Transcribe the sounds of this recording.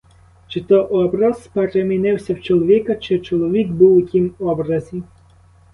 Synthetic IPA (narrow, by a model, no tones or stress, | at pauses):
t͡ʃɪt̪ɔʔɔbɾɐz̥peɾemʲinɪwsʲɐwt͡ʃɔlˠɔʋʲikɐt͡ʃɪt͡ʃɔlˠɔʋʲikbuwʊkʲimɔbɾɐzʲi